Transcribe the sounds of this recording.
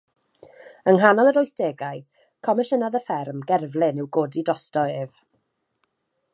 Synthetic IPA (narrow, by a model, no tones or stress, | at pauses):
ənɦanɔlˠəɾɔjθd̥eːɡaɨ | kʰɔmɛʃənaðəfɛrmɡɛrvlˠɪnɪwɡoːdidɔstɔɪv